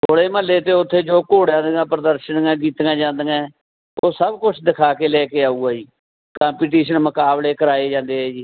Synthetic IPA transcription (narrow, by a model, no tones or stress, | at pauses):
t̪ʰoːɽeːməlːeːt̪eːʊt̪ʰːeːd͡ʒoːkoːɽãːnd̪ɡãːpɾəd̪əɾʃənɡɛ̃ːkiːt̪ɡãːd͡ʒãːnd̪əɡɛ̃ː | oːsəbkʊt͡ʃʰd̪ɪkʰaːkeːlɛːkeːaːuːɡaːd͡ʒiː | kãːmpiːʈ̬iːʃənməkaːbleːkəɾaːeːd͡ʒãːnd̪eːɦɛːd͡ʒiː